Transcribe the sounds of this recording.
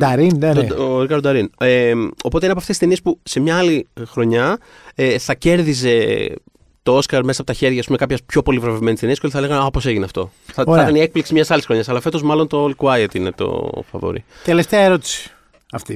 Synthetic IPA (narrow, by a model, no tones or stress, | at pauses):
d̪ɐɾind̪oɾikɐɾd̪d̪ɐɾineo̞po̞t̪einɐpoɐft̪esiseniespuse̞mɲɐɐlixɾo̞ɲɐ | eθɐce̞ɾðize̞ | t̪o̞o̞skɐɾmsɐpot̪ɐçe̞ɾʝɐːspume̞kɐpçɐspço̞po̞livɾovevme̞nist̪eniskoliθɐle̞ɣɐnopose̞ʝineɐft̪o̞̰θɐɐt̪ɐnie̞k̚pliksimɲɐsɐlisxɾo̞ɲɐsɐlɐfe̞t̪o̞zmɐlo̞nt̪o̞likuɐjet̪ine̞t̪o̞̰fɐ̰vo̰ɾḭt̪eleft̪eɐeɾot̪i̥si̥ | ɐft̪i